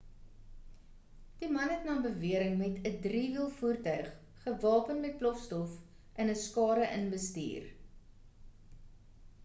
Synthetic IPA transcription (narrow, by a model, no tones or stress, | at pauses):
d̥imɐnɦɛtnɑːbəviəɾəŋmɛtədriːviəlˠfuːrtœɥχː | əvɑːpənmɛt̚plɔfstɔf | ʔənəskɑːɾəʔənbəstḭːr